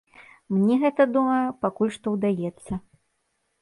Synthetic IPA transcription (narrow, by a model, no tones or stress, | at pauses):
mnʲɛɣɛt̪ɐd̪umɐjɐpakulʲʂt̪ɔwd̪ajɛt̪sːɐ